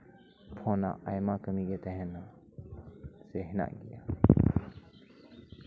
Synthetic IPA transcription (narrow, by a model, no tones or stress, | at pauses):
pʰõːna̰ʔajmakəmiket̪ɛɦɛna | seɦna̰ɡija